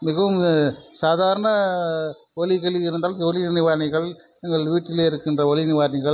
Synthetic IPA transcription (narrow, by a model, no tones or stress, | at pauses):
mɪɣɐʋɯmsaːðaːɾɐnɐ | ʋɔɭɪɣɐɭɪɪɾɯnd̪aːlɔlɪnɪʋaːɾnɪɣɐɭ | nɪŋɡɐɭʋiːʈːɪleːɪɾɯkːɪndrɐʋɐɭɪnɪʋaːɾnɪɣɐɭ